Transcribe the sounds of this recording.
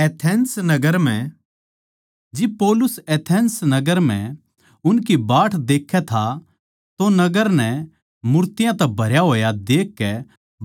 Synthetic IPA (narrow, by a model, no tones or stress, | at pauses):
ɛːt̪ʰɛːnsnɐɡəɾm̤ɛ̃ | d͡ʒɪb̚poːlʊsɛːt̪ʰɛːnsnɐɡəɾm̤ɛ̰̃ | ʊnk̬ibaːʈʰd̪eːkʰːɛt̪ʰa | t̪onɐɡəɾnɛ | mʊɾt̪ɪjãt̪ɛbʱɐɾjaɦoːjad̪eːkːɛ